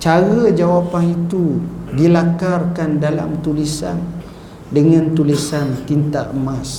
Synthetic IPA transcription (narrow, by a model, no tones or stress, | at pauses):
t͡ʃaɣəd͡ʒawapahit̪udilakarkandala̰mt̪ulisa̰n | dəŋãnt̪ulisant̪int̪aʔmas